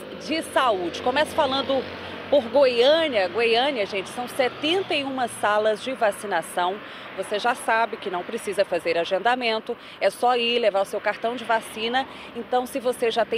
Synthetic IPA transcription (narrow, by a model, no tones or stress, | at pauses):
d͡ʒɪsaud͡ʒɪkõmɛsɐ̥falɐ̃nd̪ʊ | poɾɡojɐ̃niɐɡojɐ̃niɐʒẽnt͡ʃɪ̥sɐ̃w̃sɛt̪ẽnt̪ɐiũmɐsalɐzd͡ʒɪvasinasɐ̃w̃ | voseʒasabɪkɪnɐ̃w̃pɾesizɐfazeɾaʒẽnd̪amẽnt̪ʊ | ɛsɔilevaɾʊsewkaɾt̪ɐ̃w̃d͡ʒɪvasĩnɐ | ẽt̪ɐ̃w̃sɪvoseʒat̪ẽ